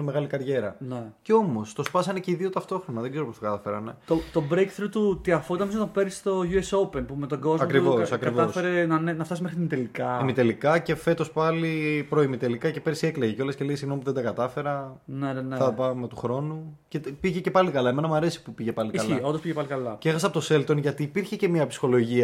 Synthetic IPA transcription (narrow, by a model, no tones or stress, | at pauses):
neme̞ɣɐlikɐɾʝe̞ɾɐneceo̞mo̞st̪o̞spɐsɐneceiðio̞t̪ɐft̪o̞xɾo̞nɐðeɡze̞ɾopost̪ɐkɐt̪ɐfeɾɐ̰net̪ot̪obɾekθɾot̪ut̪iɐfot̪ɐnɐmisot̪ɐpeɾist̪oʝuesopenpumet̪oɡo̞zɐokɾivo̞sɐkɾkivɐsfeɾenɐnenɐft̪ɐsimexɾit̪imit̪elikɐimit̪elikɐce̞fe̞t̪o̞spɐlipɾo̞imit̪e̞likɐcepeɾsieklɐʝeceo̞lesce̞leɣesiɣnomip̬uðed̪ɐkɐt̪ɐfe̞ɾɐneneɐpɐme̞t̪uxɾo̞nuce̞t̪piʝece̞pɐlikɐlɐeme̞nɐmuɐɾe̞si̥pupiʝepɐlikɐsliond̪ospiʝepɐlikɐlɐceexɐs̬ɐpot̪ose̞lt̪onʝɐt̪iːpiɾçece̞miɐpsi̥xo̞lo̞ʝiɐ